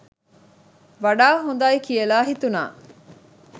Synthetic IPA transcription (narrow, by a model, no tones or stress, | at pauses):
ʋɐɖaːɦun̆d̪aːikijelaːɦit̪una̰ː